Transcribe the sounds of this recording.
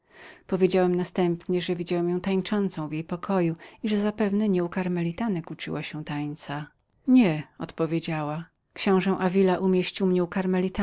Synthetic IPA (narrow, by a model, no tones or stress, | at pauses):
pɔvʲjed͡ʑawɛmnast̪ɛmpɲɛʐɛvʲid͡ʑawɛmjɔ̃w̃t̪aɲt͡ʂɔnt̪sɔ̃w̃vjejpɔkʰɔjuiʐɛzapɛvnɛɲɛukaɾmɛlʲit̪anɛkut͡ʂɨ̰waɕɛ̃t̪aɲt̪sa | ɲɛɔ̰t̪pɔvʲjed͡ʑawa | kɕɔ̃w̃ʐɛ̃ʔavʲilaʔumʲjeɕt͡ɕiwmɲɛukaɾmɛlʲit̪a